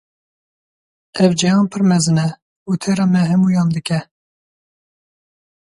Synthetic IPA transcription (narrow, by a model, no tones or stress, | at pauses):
ɛvd͡ʒɛjɑːnpʰɨɾmɛzɨnɛ | ut̪ʰeɾɑmɛɦɛmuːjɑːnd̪ɨkɛ